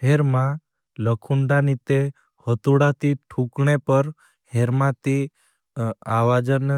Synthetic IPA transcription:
ɦeɾmã | ləkʰuɳɖanit̪e | hət̪uɽat̪iʈʰũkɳepəɾ | heɾmãt̪i | aʋad͡ʒən

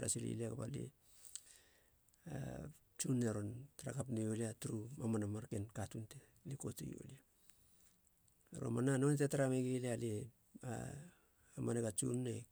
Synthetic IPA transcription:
ɾa̰silḭliakaba̰lḛ | a̰ | t͡ʃunːeɾontaɾa̰kapnejoliatuɾumamanamaɾkenkatunte | likotḛjo̰lia | ɾo̰mananontetaɾameɡeliale | a̰ | amaneɡat͡ʃṵnːe

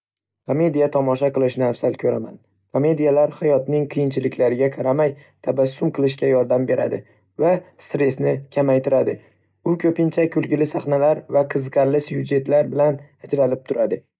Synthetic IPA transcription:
kʰome̞d̪ijat̪ʰɒmɒʃaqɨlˠɪʃɪnɪafsalkʲʰɵɾa̰ma̰n | kʰome̞d̪ijalaɾhajɒt̪nɪŋqʰɨjɪnt͡ʃʰɪlɪkʲʰlaɾɪɡʲaqʰɑɾamajt̪ʰabasːʊmqʰɨlˠɪʃkʲajɒɾd̪ambe̞ɾʔa̰d̪ɪ̰ | vast̪ɾe̞snɪkʲʰamajt̪ɪɾad̪ɪ | ʊkʲʰɵpɪnt͡ʃʰakʰʊlɡʲɪlɪsaχnalaɾvaqʰɨzqʰɑɾlɪsjʊd͡ʒe̞t̪laɾbɪlanad͡ʒɾalɪp̚t̪ʰʊɾad̪ɪ

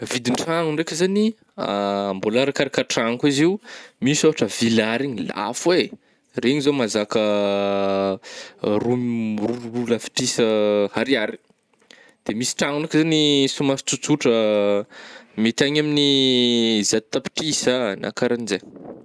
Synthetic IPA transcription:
vid̪iɳʈ͡ʂaŋuɳɖ͡ʐekʲəzani | ambolaɾakaɾakaʈ͡ʂaŋkiziwmisoɦaʈ͡ʂəvilaɾiɲila̰fwe | reɲizomazakə | ruruluɾulafi̥ʈ͡ʂisəhaɾiaɾi̥ | d̪̥emisi̥ʈ͡ʂaŋunakzanisumast͡sut͡suʈ͡ʂə | mit̪aɲamini | zat̪̚t̪api̥ʈ͡ʂisana̰kaɾanze

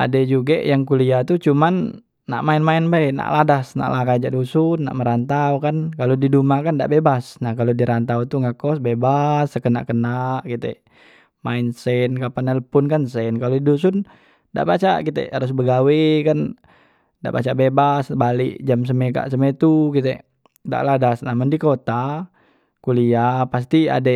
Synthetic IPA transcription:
ʔa̰dɛd͡ʒuɡaʔjaŋkuliat̪ut͡ʃumanː | a̰ʔmaɪnmaɪnbaɛna̰ʔladasna̰ʔlakad͡ʒaʔdusunːa̰ʔməɾant̪awkankalodidumakanda̰ʔbebasnahkalodiɾant̪awt̪uŋɡaʔkɔsbebasəkəna̰ʔkənaʔkit̪ɛ̰ | maɪnsɛnkapanaləpʊnkansɛnkalodidus̬ʊn | da̰ʔbat͡ʃakit̪ɛ̰aɾʊs̬bəɡawɛkan | da̰ʔba̰t͡ʃaʔbebasbalḭʔd͡ʒams̬əmɛka̰ʔsəmɛt̪ukit̪ɛ | da̰ʔladasnamandikot̪a | kuliapas̬t̪ia̰dɛ

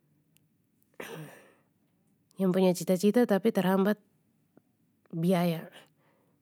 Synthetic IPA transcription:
jaŋpuɲat͡ʃit̪at͡ʃit̪at̪apit̪ərhambat̪̚ | biaja

